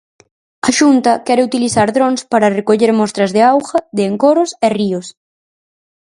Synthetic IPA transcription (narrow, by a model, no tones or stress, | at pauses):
ɐʃunt̪ɐkɛɾɪut̪iliθaɾðɾoŋspaɾɐrekoʎeɾmɔst̪ɾɐzðɪawxɐðɪːŋkoɾʊseriʊs